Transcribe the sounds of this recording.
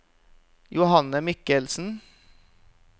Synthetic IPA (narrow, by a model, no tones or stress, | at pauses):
jʊhɑnəmɪkəlsn̩